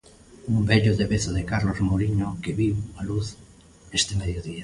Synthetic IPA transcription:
umbeʎoðeβeθoðekaɾlozmoɾiɲokeβiwaluθ | est̪emeðjoðia

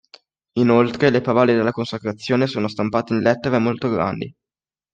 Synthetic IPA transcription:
inolt̪ɾelepavaːled̪elːakonsakɾat̪sːjoːnesoːnost̪ampaːt̪einlɛt̪ːeɾamolt̪oɡɾa̰nd̪ḭ

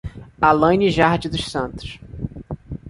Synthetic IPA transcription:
alɐ̃ɲɪʒaɾd͡ʒɪd̪ʊʃsɐ̃nt̪ʊ̥ʃ

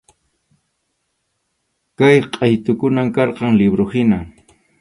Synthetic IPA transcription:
kajqʼɑjt̪ʊkʊnamkɑɾqɑŋlɪbɾohɪna

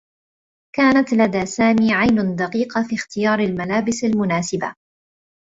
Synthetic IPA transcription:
kaːnat̪lad̪aːsaːmiːʕajnʊd̪ɑqiːqɑfiːxt̪ɪjɑːɾˤalmalaːbɪsalmʊnaːsɪba̰

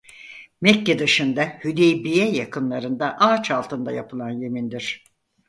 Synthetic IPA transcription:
mɛcːed̪ɯʃɯnd̪ahyd̪ejbijɛjakʰɯnlˠaɾɯnd̪aʔaːt͡ʃʰalˠt̪ʰɯnd̪ajapʰɯlˠanje̞mind̪iɾ̥

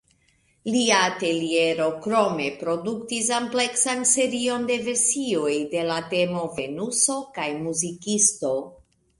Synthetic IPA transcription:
liaːte̞lie̞ɾo̞kɾo̞me̞pɾo̞duktis̬ample̞ksanse̞ɾio̞nde̞ve̞ɾsio̞jde̞late̞mo̞ve̞nuso̞kajmuzikisto̞

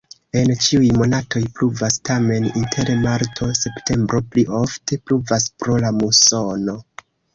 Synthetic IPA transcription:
e̞nt͡ʃiujmo̞natʰo̞jpluvastame̞nintʰe̞ɾemaɾtʰo̞se̞ptʰe̞mbɾo̞pliʔo̞fte̞pluvaspɾo̞lamuso̞no̞

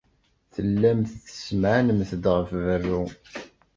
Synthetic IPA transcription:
θəlːæmθθə̥smʕanəmθd̪ʁəfvərːu

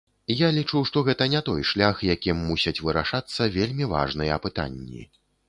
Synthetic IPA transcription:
jalʲit͡ʂuwʂt̪ɔɣɛt̪ɐnʲɛt̪ɔjʂlʲaxjakʲimːusʲɐt͡sʲvɨɾaʂat̪sːɐvʲelʲmʲiva̰ʐnɨjɛɐpɨt̪a̰nʲːḭ

